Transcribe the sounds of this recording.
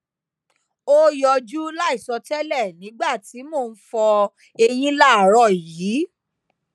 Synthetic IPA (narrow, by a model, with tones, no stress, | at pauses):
o˦jɔ˧d͡ʒu˦la˦i˦˨sɔ˧tɛ˦lɛ˦˨nĩ˨˦ɡ͡ba˦˨ti˨˦mo˦˨n̩˦fɔ˧ | e˧j̃ĩ˦la˦˨ɾɔ˦˨ji˨˦